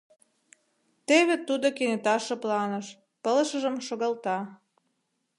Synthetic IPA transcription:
t̪eβet̪ːud̪okenet̪ɑʃɤ̆plɑnəʃ | pə̆ləʃə̆ʒə̆mʃoɣɑlt̪ɑ

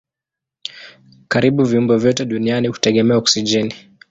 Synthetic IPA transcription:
kaɾiɓuviumbɔvjɔtɛɗunianihu̥tɛɠɛmɛaɔksid͡ʒɛni

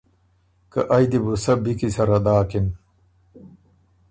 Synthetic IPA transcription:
kɐ̰ʔɐjd̪ibusɐbikisɐɾɐd̪aːkin

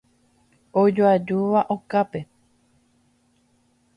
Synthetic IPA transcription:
od͡ʒoad͡ʒuʋaʔokape̞

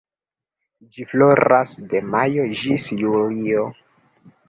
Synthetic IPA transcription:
d͡ʒiflo̞ɾasdemajod͡ʒisjulio̞

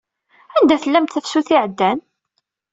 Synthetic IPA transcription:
ænd̪æθəlːæmt̪θəfsuθiʕəd̪ːæn

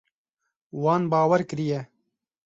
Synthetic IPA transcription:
wɑːnbɑːwɛɾkɨɾijɛ

